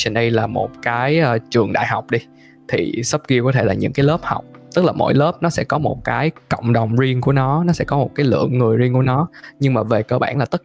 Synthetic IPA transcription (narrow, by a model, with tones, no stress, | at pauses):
t͡ɕi˧˩nɗə˧jlaː˨˩mo̰˨˩t̚kaː˨˦jːt͡ɕɨ˨˩əŋɗa̰ː˧˨jɦa˨˩wk͡p̚ɗi˧ | t̪ʰḭ˨˩sə˦˥p̚ki˧əkɔ˨˦t̪ʰe˧˩laː˨˩ɲɨ̰˧˥ŋkaː˨˦jləː˦˥p̚ha̰˨˩wk͡p̚t̪ɨ˦˥k̚laː˨˩mo̰˧˥jlə˦˥p̚nɔ˨˦sɛ̰˧˥kɔ˨˦mo˨˩t̚kaː˨˦jkə̰˧˨wŋ͡mɗə˨˩wŋ͡mzi˧əŋku˧˩ənɔ˨˦nɔ˨˦sɛ̰˧˥kɔ˨˦mo˨˩t̚kaː˨˦jlɨ̰˧˨əŋːɨ˨˩əjzi˧ŋku˧˩ənɔ˨˦ɲɨ˧ŋmaː˨˩ve˨˩kəː˧˩ɓa̰ː˧˩nlaː˨˩t̪ə˦˥